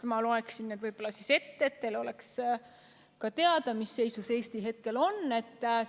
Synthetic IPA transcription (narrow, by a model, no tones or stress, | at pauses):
mɑlo̞e̞ksinːed̪vɯjb̥o̞lːɑsise̞t̪ːeːt̪ːelo̞le̞ks | kɑt̪e̞ɑd̪̥ɑmisːe̞jsuse̞ːst̪iɦe̞t̪̚ke̞lo̞nːe̞t̪ː